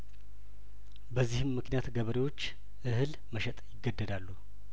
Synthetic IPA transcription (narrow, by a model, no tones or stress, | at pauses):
bəzːihɨmːɨknijat̪ɡəβəɾewo̞t͡ʃː | ʔɨhɨl | məʃɛt̪ʼjɪɡːəd̪ːəd̪alːu